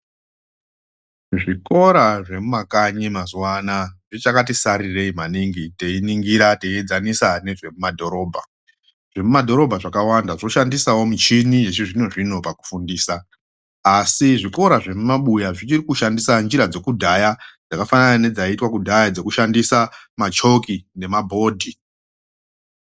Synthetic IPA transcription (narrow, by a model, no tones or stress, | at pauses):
ʐiko̞ɾaʐe̞mumakaɲimazwanaʐit͡ʃakatisaɾire̞imaniŋɡite̞iniŋɡiɾateied͡zanisane̞ʐe̞mumadʱo̞ɾo̞ːbʱa | ʐ̥emumadʱo̞ɾo̞bʱaʐakawandaʐo̞ʃandisawo̞mit͡ʃinijet͡ʃiʐino̞ʐino̞paku̥fundiːsaː | siʐiko̞ɾaʐe̞mumaɓujaʐit͡ʃirikuʃandisand͡ʒiɾad͡ze̞kudʱajad͡zakafananane̞d͡zaitwakudʱajad͡ze̞kuʃandisamat͡ʃo̞kine̞mabʱo̞ːdʱi